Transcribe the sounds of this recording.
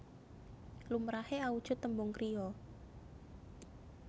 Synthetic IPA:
lumɾaheaud̥ʒ̥ʊ̤t̪ːəmbʊŋkɾʔiɔ

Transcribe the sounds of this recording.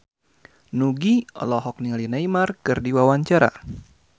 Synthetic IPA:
nuɡiɔ̰lɔɦɔk̚niŋalinaimarkɨrdiwawaɲt͡ʃaɾa̰

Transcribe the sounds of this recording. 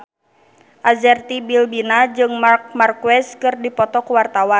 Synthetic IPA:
ʔazɛrt̪ibilbinad͡ʒɨŋmark̚markuɛskɨrdipɔt̪ɔkuwart̪awan

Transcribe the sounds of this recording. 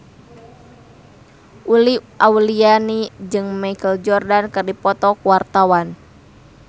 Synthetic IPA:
ʔuliʔaulianid͡ʒɨŋmakəld͡ʒɔrdankɨrdipɔt̪ɔkuwart̪awan

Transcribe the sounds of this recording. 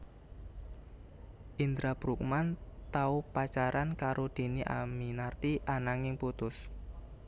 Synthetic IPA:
ʔind̪ɾapɾuk̚mant̪aupat͡ʃaɾankaɾʔod̪̥e̤niʔa̰minart̪iʔanaŋɪŋput̪ʊs

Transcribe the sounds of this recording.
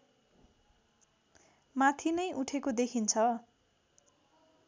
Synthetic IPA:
mat̪ʰinʌjʔuʈʰekod̪ekʰint͡sʰʌ

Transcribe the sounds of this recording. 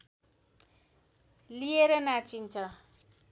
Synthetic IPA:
lieɾʌnat͡sint͡sʰʌ

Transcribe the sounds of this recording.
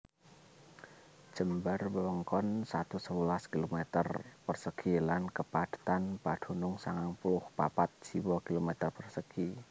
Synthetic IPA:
d͡ʒ̥əmbərbəwəŋkɔnsat̪usəwulaskilomɛt̪ərpərsəkʰilankəpad̥ə̤̥t̪anpad̥unʊŋsaŋaŋpulʊhpa̰pat̪̚siwɔkilomɛt̪ərpərsəkʰi

